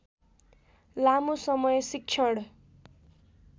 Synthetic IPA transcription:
lamusʌmʌjsik̚t͡ʃʰʌɽ

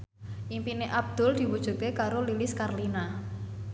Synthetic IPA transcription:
ʔimpineʔab̚d̪̥ʊ̤ld̪̥i̤wud̥ʒ̥ṳkekaɾolilɪskarlina

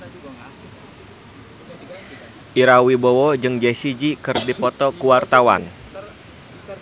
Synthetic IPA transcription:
ʔiɾawibowod͡ʒɨŋd͡ʒɛsid͡ʒikɨrdipɔt̪ɔkuwart̪awa̰n

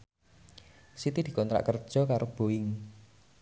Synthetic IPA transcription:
sit̪id̪̥i̤kɔnt̪ɾa̰ʔkərd̥ʒ̥ɔ̤kaɾob̥oɪŋ

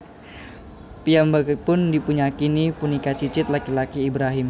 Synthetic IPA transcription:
piambak̚pʊndipuɲakinipunikat͡ʃit͡ʃɪt̪̚lakilakiːbɾaɦɪm

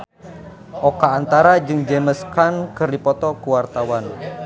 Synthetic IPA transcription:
ʔokaːnt̪aɾad͡ʒɨŋd͡ʒɛməskankɨrdipɔt̪ɔkuwart̪awan

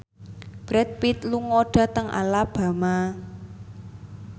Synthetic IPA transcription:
b̥ɾɛt̪̚pit̪luŋoɖ̥a̤t̪əŋʔa̰lab̥a̤ma

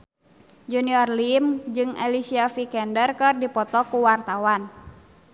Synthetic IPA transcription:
d͡ʒuniɔrlimd͡ʒɨŋɛlisiafikɛndərkɨrdipɔt̪ɔkuwart̪awan

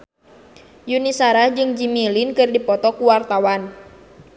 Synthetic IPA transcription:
junisaɾad͡ʒɨŋd͡ʒimilinkɨrdipɔt̪ɔkuwart̪awan

